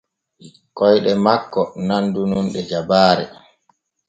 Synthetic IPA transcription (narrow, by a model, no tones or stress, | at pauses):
kɔjɗɛmakːɔnandununɗɛd͡ʒabaːɾɛ̰